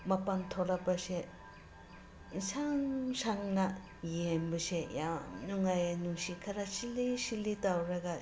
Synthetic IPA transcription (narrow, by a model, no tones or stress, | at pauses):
mapantʰolabase | saŋsaŋna | jembɐsejanuŋajanuŋsikʰɐɾasilisilitawɾɐɡa